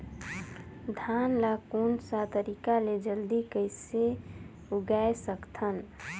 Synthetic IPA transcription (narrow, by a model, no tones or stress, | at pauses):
d̪ʱanlakonsat̪əɾikaled͡ʒəld̪ikəɪse | uɡaesəkt̪ʰən